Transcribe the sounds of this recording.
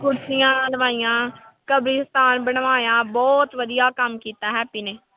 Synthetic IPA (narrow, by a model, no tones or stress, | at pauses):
kʰʊɾsijãːləʋaːijãː | kəbɾiːst̪aːnbəɳʋaːãːbɔːt̪ʋəd̪ijaːkəmkiːt̪aːɦɛːpiːneː